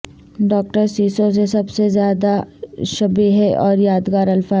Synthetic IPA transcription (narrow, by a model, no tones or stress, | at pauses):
ɖɔːk̚ʈəɾsiːsõs̬esɐbsezjaːd̪aʃɐbiɦɛʔɔːɾjaːd̪ɡaːɾɐlfaː